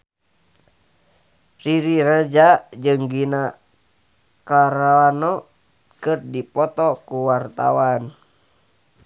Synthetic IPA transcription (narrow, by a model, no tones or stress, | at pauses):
riɾiɾəd͡ʒad͡ʒɨŋɡina | kaɾaanɔ | kɨrdipɔt̪ɔkuwart̪a̰wan